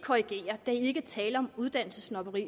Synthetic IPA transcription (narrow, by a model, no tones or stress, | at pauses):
kʰoʁiɡ̥e̝̰ːɐd̥æie̝ɡ̥ət͡sʰɛːləɒ̽muð̞ˠd̥æn̰l̩səsnɒb̥əʁḭː